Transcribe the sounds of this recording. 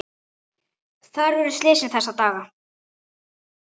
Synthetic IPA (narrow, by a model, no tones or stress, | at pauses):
θaɾvʏɾʏst̪leːsɪnθɛsːat̪aːɣa